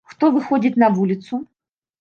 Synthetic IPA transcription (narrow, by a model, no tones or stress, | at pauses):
xt̪ovɨxodʲɪt̪nɐvulʲɪt̪sʊ